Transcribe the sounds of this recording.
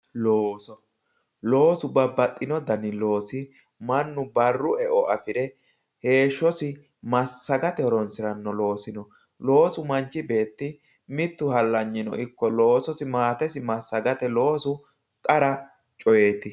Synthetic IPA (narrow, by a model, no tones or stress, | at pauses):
loːsɔ | lo̞ːsʊbɐbːɐt̪ʼːɪnɔd̪ɐnɪlo̞ːsɪ | mɐnːʊbɐrːʊɛʔɔɐfɪɾɛ | he̞ːʃːɔsɪ | mɐsːɐɡɐt̪ɛɔɾɔnsɪɾɐnːɔlo̞ːsɪnɔ | lo̞ːsʊmɐnt͡ʃːɪbe̞ːt̪ːɪ | mɪt̪ːʊhɐlːɐɲːɪnɔ̰ʔɪkːɔlo̞ːsɔsɪmaːt̪ɛsɪmɐsːɐɡɐt̪ɛlo̞ːsʊ | kʼɐɾɐ | t͡ʃʼɔjeːt̪ːɪ